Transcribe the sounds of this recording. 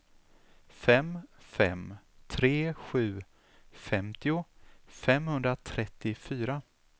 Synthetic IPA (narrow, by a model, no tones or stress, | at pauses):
fɛmfɛ̰mt̪ʰɾeːɧʉ̟ː | fɛmt̪ɪʊfɛmhɵnd̪ɾat̪ʰɾɛt̪ːɪfyːɾa